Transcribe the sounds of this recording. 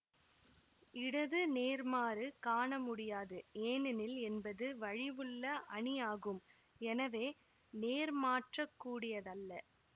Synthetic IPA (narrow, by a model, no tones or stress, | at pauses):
ɪɽɐðɯneːɾmaːɾɯkaːɳɐmʊɽɪjaːðɯeːnɪnɪlɛnbɐðɯʋɐɻɪʋɯɭːɐʔɐɳɪaːɣɯm | ɛnɐʋeː | neːɾmaːʈrɐkːuːɽɪjɐðɐlːɐ